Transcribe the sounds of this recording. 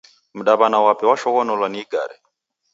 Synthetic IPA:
m̩ɗaβanawapɛwaʃɔkɔnɔlwaniiɡa̰ːɾɛ̰

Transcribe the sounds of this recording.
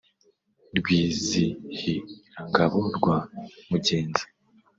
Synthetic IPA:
ɾɡwiːzihiɾaŋɡaβoɾɡwamuɟe̞ːnze̥

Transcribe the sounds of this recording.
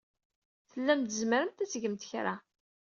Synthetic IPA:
θəlːæmt̪əzməɾəmt̪æt͡sːʝəmt̪ə̥çɾa̰

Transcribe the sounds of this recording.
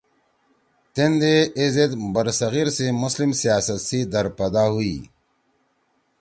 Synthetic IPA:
t̪end̪eezet̪bɐɾsɐɣiːɾsemʊslimsijaːsət̪sid̪ɐɾpɛːd̪aɦuiː

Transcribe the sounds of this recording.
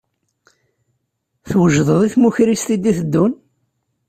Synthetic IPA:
θwəʒðˤəðˤiθmuçɾist̪id̪iθəd̪ːun

